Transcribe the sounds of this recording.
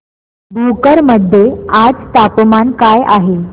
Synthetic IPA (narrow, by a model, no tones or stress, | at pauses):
bʱukəɾməd̪ʱːjead͡zt̪apmankaja̰ɦe